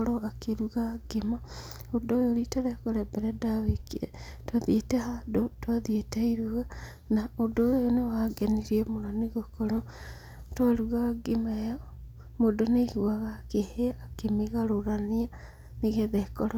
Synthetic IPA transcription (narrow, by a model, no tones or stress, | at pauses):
ɾoakeɾuɣaɡema | odoːjoɾitaɾɛkɔɾɛbɛɾɛdaβekiɾḛ | twaðietehadotwaðieteiɾuɣa | naodojojonewaɡeniɾiemoɾaniɣokɔɾɔ | twaɾuɣaɡemajɔ | modonehuwaɣakeheːkemeɣaɾoɾania | niɣeðɛkɔɾ